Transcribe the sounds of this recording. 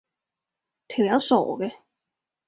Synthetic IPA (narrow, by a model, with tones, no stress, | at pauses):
t̪ʰi˨˩wjɐ˨˥wso̰˨˩ɡɛ˧